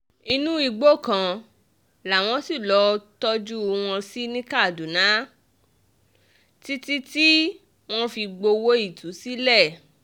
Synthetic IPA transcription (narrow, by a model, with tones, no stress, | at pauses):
i˧nũ˦i˧ɡ͡bo˦˨kã˧ | la˨w̃ɔ̃˦si˦˨lɔ˨˧˦tɔ˦d͡ʒu˦˧w̃ɔ̃˧si˦nĩ˦ka˦˨du˨nã˨˦ | ti˦ti˦ti˦ | w̃ɔ̃˦fi˧ɡ͡bo˧wo˦i˦˨tu˨˦si˦lɛ˦˨